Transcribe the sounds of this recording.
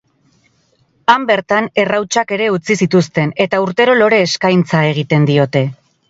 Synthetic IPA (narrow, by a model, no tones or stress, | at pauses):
ambe̞ɾt̪ane̞rawt͡ʃake̞ɾe̞ut͡sisit̪ust̪e̞ne̞t̪auɾt̪e̞ɾo̞lo̞ɾe̞ːskajnt͡sae̞ɣ̞it̪e̞nd̪io̞t̪e̞